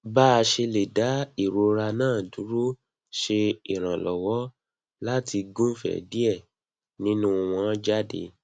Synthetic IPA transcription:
ba˦˧ʃe˧le˨da˨˦i˨ɾo˧ɾa˧nãː˦˨du˨˦ɾu˦ | ʃe˧i˨ɾ̃ã˨lɔ˨wɔ˦ | la˦ti˧ɡũ˦fɛ̰˨di˦ɛ˦˨ | nĩ˦nũ˦˧w̃ɔ̃˧˦d͡ʒa˦dḛ˧˦

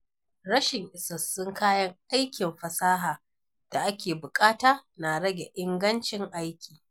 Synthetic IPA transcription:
ɽɐ˦ʃɪ˨ŋʔɪ˨sɐ˨sːʊ˦ŋkaː˦jɐ˦ŋʔa˦jkʲɪ˨mɸɐ˨saː˦ɦaː˨ | d̥a˨ʔa˦kʲeː˨bʊ˨kʼaː˦taː˦na˨ɽɐ˦ɡʲe˨ʔɪ˦ŋɡɐ˦nt͡ʃɪ˦ŋʔa˦jkʲiː˨

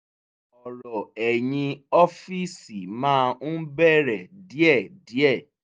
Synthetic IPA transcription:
ɔ˨ɾɔ˨ɛ˨jĩ˧ɔ˦fi˦si˨mãː˦˧n̩˦bɛ˦ɾɛ˨di˨˦ɛ˦˨di˨˦ɛ˦˨

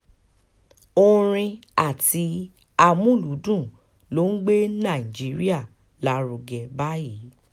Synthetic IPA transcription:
o˧ɾ̃ĩ˧a˦˨ti˧˦ | a˧mũ˦˨lu˨˦dũ˦˨ | lo˨˦n̩˦ɡ͡be˦nã˦˨i˨d͡ʒi˨˦ɾi˦a˦˨ | la˨˦ɾo˧ɡɛ˧˨ba˦ji˨˦

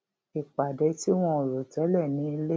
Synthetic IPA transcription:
i˨k͡pa˨dɛ˧˦ti˦w̃ɔ̃˧o˨ɾo˨tɛ˨˦lɛ˦˨nĩ˨˦i˧le˦

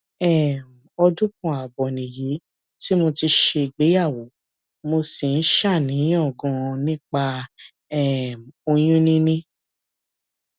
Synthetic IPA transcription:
ɛ˦˨m˨ɔ˧dũ˦kɔ̃˧˨a˨bɔ˨nĩ˨ji˨˦ | ti˦mo˧ti˧ʃe˧i˨ɡ͡be˨˦ja˦˨wo˨˦ | mo˧si˨n̩˦ʃa˦˨nĩ˨˦ɔ̃˦˨ɡɔ̃˧nĩ˦k͡pa˧ | ɛ˦˨m˨o˧j̃ũ˦nĩ˦nĩ˦

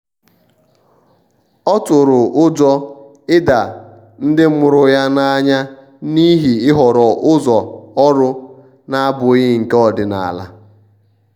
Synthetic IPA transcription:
ɔ˦tʊ˨ɾʊ˨ʊ˦d͡ʒɔ˦ | ɪ˦da˨ | n̩˦dɪ˦mʊ˨ɾʊ˦ja˦na˦a˦ɲa˦ | ni˦ɦi˨ɪ˦ɦɔ˨ɾɔ˨ʔʊ˦zɔ˨ɔ˦ɾʊ˦ | na˦a˦bʊ˨˦ɣɪ˦ŋ̩˨ke˦ɔ˨dɪ˨na̰˨a̰˨la̰˦

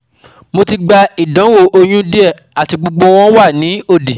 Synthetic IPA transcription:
mo˧ti˧ɡ͡ba˧i˨dã˨˦wo˦˨ʔo˧j̃ũ˦di˦ɛ˦˨ | a˨ti˧ɡ͡bo˧ɡ͡bo˧w̃ɔ̃˦wa˦˨nĩ˨˦o˦˨di˨

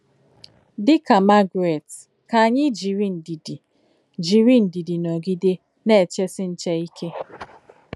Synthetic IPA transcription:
dɪ˦ka˨ma˦ɡɾe˨t | ka˨a˨ɲɪ˦d͡ʒi˨ɾi˦n̩˨di˨di˨ | d͡ʒi˨ɾi˦n̩˨di˨di˨nɔ˨ɡi˦de˦ | ne˦˨t͡ʃe˦sɪ˦n̩˦t͡ʃe˦i˦kʰe˦

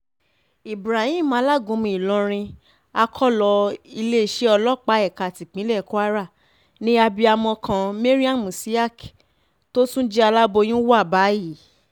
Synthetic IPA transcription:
i˨bɾa˨hĩ˦˨mã˨˦la˦˨ɡũ˨˧˦mĩ˧˨i˨lɔ̃˨˧ɾ̃ĩ˧ | a˧kʰɔ˦lɔ˧i˧le˦i˦˨ʃe˦ɔ˧lɔ˦˨k͡pa˨˦ɛ˦˨ka˨ti˨k͡pĩ˨˦lɛ˦˨ko˦a˦ɾa˦˨ | nĩ˦a˧bi˧a˧mɔ̃˧kʰã˧me˦ɾi˦a˦˨mũ˨si˦a˦˨k | to˦sũ˦d͡ʒi˦a˧la˦bo˧j̃ũ˦wa˦˨ba˨˦ji˦˨˦

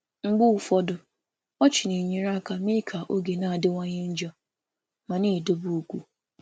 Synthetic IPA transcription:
ŋ͡m̩˨ɡ͡bʊ˦ʊ˨fɔ˦dʊ˨ | ɔ˦t͡ʃɪ˨ne˨ɲe˨ɾa˦ka˨me˦kʰa˨ʔo˦ɡe˨na˨a˨dɪ˦ŋʷa˦ɲe˦n̩˦d͡ʒɔ˦ | ma˨ne˦˨do˦bu˦o˦kʷu˦

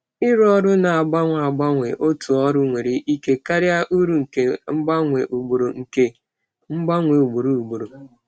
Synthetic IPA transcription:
ɪ˦ɾɔ˦ɾʊ˦na˨a˨ɡ͡ba˦ŋʷa˨a˨ɡ͡ba˦ŋʷe˨ʔo˦tu˨ɔ˦ɾʊ˦ŋʷe˨ɾi˦ʔi˦ke˦ka˦ɾja˦ʔu˦ɾu˨ŋ̩˨ke˨ŋ͡m̩˦ɡ͡ba˦ŋʷe˨ʔu˨ɡ͡bo˨ɾo˨ŋ̩˨ke˨ | ŋ͡m̩˦ɡ͡ba˦ŋʷe˨u˨ɡ͡bo˨ɾu˦˨u˨ɡ͡bo˨ɾo˨

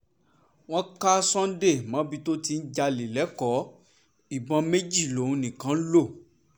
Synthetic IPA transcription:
w̃ɔ̃˦ka˦sɔ̃˦n̩˦de˦˨mã˨˦bi˧to˦ti˧n̩˦d͡ʒa˧li˨lɛ˨˦kɔ˨˦ | i˨bɔ̃˨˧me˦d͡ʒi˦˨lõ˨˦˨nĩ˨kã˨˦lo˦˨

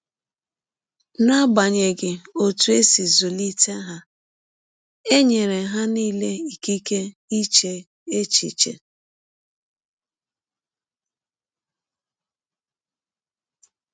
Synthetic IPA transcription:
na˦ba˨ɲe˨ɡɪ˨o˨tu˨˦e˦si˨zu˨li˦te˦ɦa˦ | e˦ɲe˨ɾe˨ɦa˦niː˦le˦i˨ki˦ke˦i˦t͡ʃe˨ | e˦t͡ʃḭ˨t͡ʃḛ˨

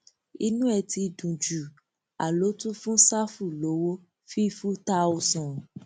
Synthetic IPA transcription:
i˧nũ˦ɛ˧˨ti˧dũ˨d͡ʒu˨ | a̰˨lo˨˦tũ˦fũ˦sa˦fu˦˨lo˨˦wo˦ | fi˦fu˦ta˧˦o˧sɔ̃˨

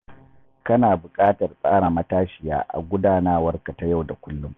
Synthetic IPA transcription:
kɐ˦naː˨bʊ˨kʼaː˦tɐ˨rsʼaː˦ɽa˨mɐ˦taː˦ʃɪ˨ja̰ː˦ʔa̰˨ɡʷʊ˦daː˦naː˦wɐ˦rka˨ta˦ja˦˨wda˨kʷʊ˦lːʊ˦m

